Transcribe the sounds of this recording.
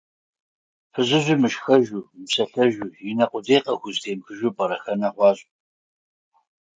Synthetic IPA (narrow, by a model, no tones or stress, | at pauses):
fɨzɪʑʷimɨʃxɐʒumpsɐɬɐʒujinɐqʷʊdeːqɐxʷʊztʰeːmxɨʒupʼɐɾɐxɐnɐχʷɑːɕʼ